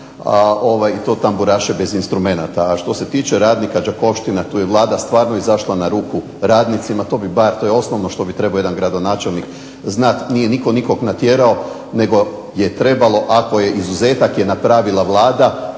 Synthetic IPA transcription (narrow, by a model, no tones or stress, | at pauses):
ao̞ʋajit̪o̞t̪ambuɾaːʃebe̞zinst̪ɾume̞nat̪aːʃt̪o̞se̞t̪iːt͡ʃeɾaːd̪nikad͡ʒako̞ʋʃt̪inat̪uːje̞ʋlˠaːd̪ast̪ʋaːɾno̞izaʃlˠanaɾuːku | ɾaːd̪nit̪simat̪o̞ːbibaɾt̪o̞jeo̞snoʋnoʃt̪o̞bit̪ɾe̞baojeanɡɾad̪o̞naːt͡ʃelˠnik | znat̪nije̞niko̞niko̞knat̪jeɾao̞ | ne̞ɡo̞je̞t̪ɾe̞balˠo̞ʔako̞je̞ʔizuze̞ːt̪akje̞napɾaːʋilˠaʋlˠaːd̪a